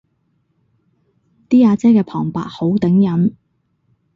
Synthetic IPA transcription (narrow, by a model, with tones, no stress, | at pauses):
t̪iː˥aː˨˧t͡sɛː˥kɛː˧pʰɔ̰ː˨˩ŋpa̰ː˨˥t̚ho˨˥wt̪ɪ˨˥ŋjɐ˨˥m